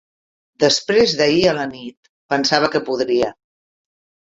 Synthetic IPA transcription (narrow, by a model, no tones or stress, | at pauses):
d̪əspɾezðəiələnit̪̚ | pənsaβ̞əkəpuðɾiə